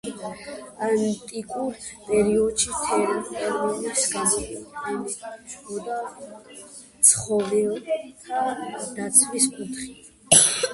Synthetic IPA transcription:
ant̪ʼikʼuɾpʼɛɾiɔd̪ʃit̪ʰɛɾatʰʼɛɾvɔnisɡamɔɛnɛt͡ʃɡɔd̪a | t̪sʰχɔvɛ | ad̪̥at̪sʰviskʼut̪ʰχi

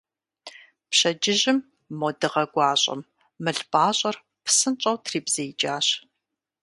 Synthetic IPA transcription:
pɕɐd͡ʒɪʑɪmː | odɨʁɐɡʷɑːɕʼɐ̰m | mɨɬpʼaːɕʼɐr | pʰsɨnt͡ʃʼɐwtʰriːbz̥ejd͡ʒʼaːɕ

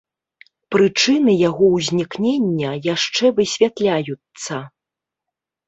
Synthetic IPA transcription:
pɾɨt͡ʂɨnɨjaɣɔwzʲnʲiknʲenʲːɐjaʂt͡ʂɛvɨsʲvʲat̪lʲajut̪sɐ

